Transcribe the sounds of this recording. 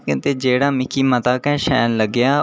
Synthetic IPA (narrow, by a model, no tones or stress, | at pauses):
kɪ̃nt̪eːd͡ʒeːɽaːmɪkʰiːmət̪aːkɛ̃ʃɛ̰ːnləɡjaː